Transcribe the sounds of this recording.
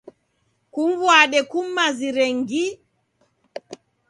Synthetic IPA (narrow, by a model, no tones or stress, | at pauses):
kumvwaɗɛkum̩ːaziɾɛŋɡi